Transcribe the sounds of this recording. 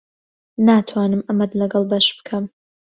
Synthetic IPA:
naːt̪ʰwaːnɨmɐmɐd̪lɐɡɐlˠbɐʃb̥ɨ̥kʰɐm

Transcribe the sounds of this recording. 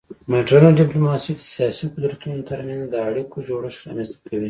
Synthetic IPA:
maʈɾanoɖiplomɑsid̪ə̥sijɑsiqʊd̪ɾat̪unot̪ʰaɾmend̪əaɽikʰod͡ʒoɽasɾɑ̰mɛ̃nst̪akʰawi

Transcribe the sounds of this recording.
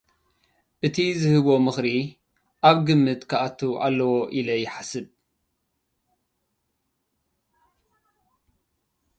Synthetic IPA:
ʔɨt̪ʰizɨhɨβo̞mɨxɾi | ʔaβɡɨmːɨt̪kʰaʔat̪ʰːuʔa̰lːɐwoʔilɐjɪħasɨb

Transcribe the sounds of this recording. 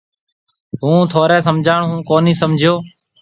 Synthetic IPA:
ɦũːt̪ʰoːɾɛːsəmd͡ʒʱaːɳɦũːkoːniːsəmd͡ʒʱɪjoː

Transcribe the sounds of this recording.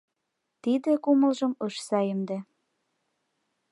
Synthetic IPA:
t̪id̪ĕkumə̆lʒə̆mɤʃsɑjəmd̪e

